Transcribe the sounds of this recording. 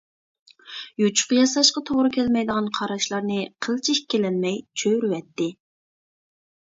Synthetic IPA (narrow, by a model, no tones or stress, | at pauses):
jut͡ʃʰʊ̥qjɑsɑʃqɑt̪ʰoʁɾɨkʲʰɛlmɛjd̪əʁɑnqʰɑɾɑʃlˠɑɾnɨqʰəlˠt͡ʃʰiʃkʲʰːelɛnmɛjt͡ʃʰøɾwɛt̪ːɪ